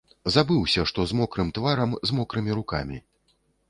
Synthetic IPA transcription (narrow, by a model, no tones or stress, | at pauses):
zabɨwsʲɐʂt̪ɔzmɔkɾɨmt̪vaɾɐmzmɔkɾɨmʲiɾuka̰mʲi